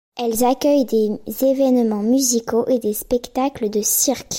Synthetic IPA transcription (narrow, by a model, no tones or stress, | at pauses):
ɛlzakʲœjd̪ezevɛnmɑ̃myzikʰoʔed̪espɛkt̪akləd̪əsiʁk